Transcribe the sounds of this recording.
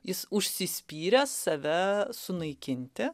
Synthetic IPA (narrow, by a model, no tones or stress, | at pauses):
jɪsʊʃʲsʲɪsʲpʲiːɾʲɛsːɐʋʲɛsʊnɐɪkʲɪnʲt̪ʲɪ